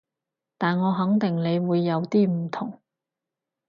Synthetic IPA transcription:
t̪aː˨nŋɔː˨˧ɦɐ˨˥ŋt̪ɪ˨˩ŋne˨˧jwuː˨˧jːɐ˨˧wt̪iː˥m̩˨˩t̪ʰʊ˨˩ŋ

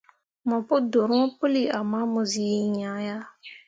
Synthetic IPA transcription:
mɔ˨pʊ˦do˨ɾŋɔ˦po˦li˨a˨ma˦mʊ˨zi˦ɲã˨˦ja˦

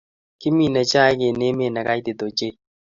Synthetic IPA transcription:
kɪ˦mi˨nɛ˨t͡ʃa˦ke˨ne˦me˦˨nɛ˨ka˦i˦d̪e˨d̪o˨t͡ʃe˦

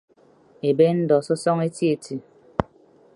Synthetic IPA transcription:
e˨be˦n̩˦dɔ˨sɔ˦sɔ˦ŋe˦ti˦e˨tʰi˨

